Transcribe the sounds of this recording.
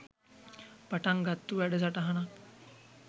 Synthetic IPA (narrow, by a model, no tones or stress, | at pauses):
pəʈaŋɡʱat̪ːuʋɛɽəd͡zaʈaɦaña